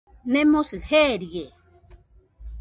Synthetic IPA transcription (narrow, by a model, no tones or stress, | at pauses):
nẽmosɨheɾie